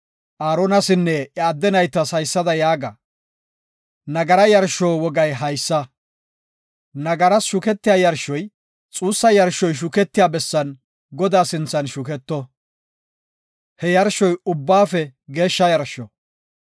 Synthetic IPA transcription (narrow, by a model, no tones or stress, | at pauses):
ʔaːɾɔnɐsɪnːɛʔɪad̪ːɛnɐjt̪ːɐsɐjsːɐd̪ɐjaːɡɐ | nɐɡɐɾɐjɐɾʃoːwɔɡɐjɦɐjsːɐ | nɐɡɐɾɐsʃʊkɛt̪ːɪjaːjɐɾʃɔj | t͡sʼuːsːɐjɐɾʃɔjʃ̬ʊkɛt̪ːɪjaːbɛsːɐn | ɡɔd̪aːsɪnt͡sːɐnʃʊkɛt̪ːɔ | hɛjɐɾʃɔjʊbːaːfɛɡe̞ːʃːɐjɐɾʃɔ